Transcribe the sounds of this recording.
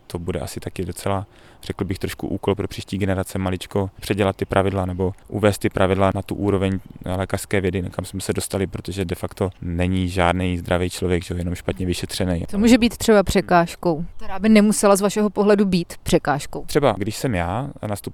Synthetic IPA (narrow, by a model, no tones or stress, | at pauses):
t̪o̞budɛ̰ʔa̰sɪt̪akɪdo̞t͡sɛla | r̥ɛkl̩bɪxt̪ɾoʃkṵʔuːkolpɾo̞pr̥iːʃciːɡɛnɛɾat͡sɛmalɪt͡ʃko̞pr̝̥ɛɟɛlat̪ːɪpɾʔavɪdlanɛbo̞ʔṵvɛːst̪ːɪpɾʔavɪdlanat̪uʔuːɾovɛɲlɛːkar̥skɛːvjɛdɪkamsmɛsɛdo̞st̪alɪpɾot̪oʒɛdɛfakt̪onɛɲiʒaːdnɛjzd̪ɾʔavɛjt͡ʃlovjɛɡʒɛojɛnomʃpat̪ɲɛvɪʃɛt̪r̝̥ɛnɛjt̪omuːʒɛbiːt̪t̪r̥ɛbapr̝̥ɛkaːʃko̞wt̪ɛɾaːbɪnɛmusɛlazvaʃɛɦopoɦlɛdubiːt̪pr̝̥ɛkaːʃkowt̪r̥ɛbaɡdɪʃsɛmjaːnast̪up